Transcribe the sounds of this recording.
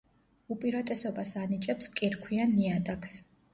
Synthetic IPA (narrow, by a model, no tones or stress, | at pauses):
upʼiɾat̪ʼɛsɔbasanit͡ʃʼɛpskʼiɾkʰwianːiad̪akʰs